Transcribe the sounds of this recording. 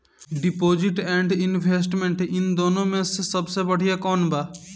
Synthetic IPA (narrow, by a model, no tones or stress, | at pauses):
ɖɪpoːd͡ʒɪʈɛ̃ːɳɖɪnʋeːs̬ʈmẽɳʈɪnd̪oːnõmẽsesəbsebəɽ̤ijakɔːnbaː